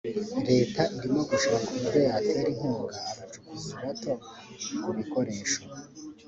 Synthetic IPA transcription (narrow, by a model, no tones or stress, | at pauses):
ɾe̞ːtaʔiɾimo̞ɡuʃoβakumudejatejaɾiŋ̥huːŋɡaːɾat͡ʃukuziβato̞kuβikoɾe̞ːʃo